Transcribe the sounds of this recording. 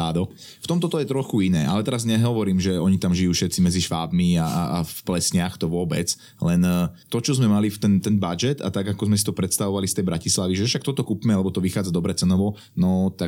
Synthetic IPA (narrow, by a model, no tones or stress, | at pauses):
aːd̪ɔ | ft̪ɔmt̪ɔt̪ɔjɛt̪ɾɔxuinɛːalɛt̪ɛɾazɲɛɦɔʋɔɾiːmʒɛɔɲit̪amʒijuːʃɛt̪t͡simɛd͡ziʃʋaːbmiaaafplɛsɲaxt̪ɔʋʊɔbɛ̰t͡s | lɛnt̪ɔt͡ʃɔzmɛmalift̪ɛnt̪ɛnbad͡ʒɛd̪a̰t̪aɡakɔzmɛsit̪ɔpɾɛt̪st̪aʋɔʋalist̪ɛjbɾacislaʋiʒɛfʃak̚t̪ɔt̪ɔkupmɛalɛbɔt̪ɔʋixaːd͡zad̪ɔbɾɛt͡sɛnɔʋɔ | nɔt̪a